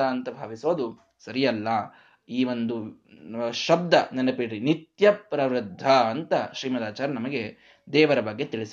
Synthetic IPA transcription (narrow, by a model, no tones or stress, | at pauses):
ɐɐnt̪ɐbʱa̰ːʋisoːd̪u | sɐɾijɐlːɐ | iːʋond̪u | ʃɐb̚d̪ɐnɐnɐpiɽɾinit̪jɐpɾɐʋɾɨd̪ʱːɐːnt̪ɐʃɾiːmɐd̪aːt͡ʃaːɾɐnɐmɐɡe̞ | d̪ɛːʋɐɾɐbɐɡːe̞t̪iɭis